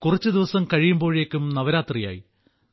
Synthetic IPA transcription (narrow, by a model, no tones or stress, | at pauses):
kurɐt͡ɕːɨd̪iʋɐsɐmkɐɻijumbo̞ːɻjeːkʲːumnɐʋɐɾaːt̪rija̰ːji